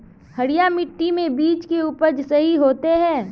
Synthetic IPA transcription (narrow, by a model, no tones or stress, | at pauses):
hɐɽijamɪʈːimẽbiːt͡ʃkeupəd͡ʒsɐɦiɦoːt̪eɦɛ̃ː